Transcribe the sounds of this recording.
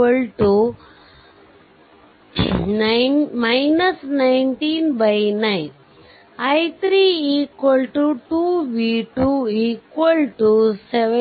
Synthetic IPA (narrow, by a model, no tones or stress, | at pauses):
əlʈu | najnmajnəsnainʈiːnbajnain | ajt̪ʰɾiːikʋəlʈuʈuʋiʈuikʋəlʈuseʋ